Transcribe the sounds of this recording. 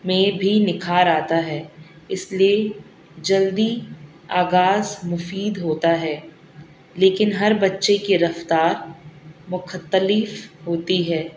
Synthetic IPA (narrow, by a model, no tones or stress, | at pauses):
mẽbʱinɪkʰaɾaːt̪aɦɛː | ɪslie | d͡ʒɐld̪i | aːɣaːzmʊfiːd̪ɦoːt̪aɦɛː | leːkɪnɦɐɾbɐtːʃekeɾɐft̪aːɾmʊxʰət̪ːəlɪfɦoːt̪iɦɛː